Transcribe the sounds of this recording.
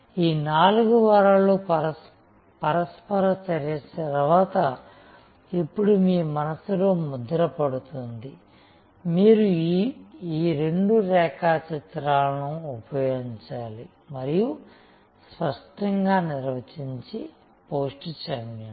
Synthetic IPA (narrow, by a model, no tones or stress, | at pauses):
iːnaːluɡuʋɐɾɐlu | pɐɾɐspɐɾɐt͡ʃɐɾɐɐɾɐʋaːt̪ɐ | ipːuɽumiːmɐnɐsuloːmud̪ɐɾɐpɐɽut̪und̪i | miːɾu | iːɾe̞ɳɖuɾɛːkaːt͡ʃɐt̪ɾaːlɐnuːpɐjoɡiɲt͡ʃaːli | mɐɾiju | spɐʂʈɐŋɡaːniɾʋɐt͡ʃiɲt͡ʃi | poːsʈt͡ʃɐmjɐn